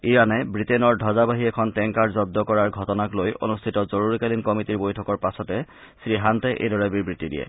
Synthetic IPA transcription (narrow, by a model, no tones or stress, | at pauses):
ijanɛbɹitɛnɔɹdʱɔzabaɦiɛkʰɔntɛŋkaɹzɔb̚d̪ɔkɔɹaɹɡʱɔtɔnaklojo̰nustʰitɔzoɹuɹikalinkɔmitiɹbojtʰɔkɔɹpasɔtɛ | sɹiɦantɛʔḛdɔɹɛbiɹbɹitidijɛ̰